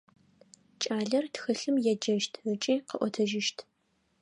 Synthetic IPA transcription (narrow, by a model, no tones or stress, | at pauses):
t͡ʃʼaːɮɐrtxɐɬɨmjɛd͡ʒɐʃtʰrɨt͡ʃʼiːqəʔʷɔtʰɐʒɪʃtʰ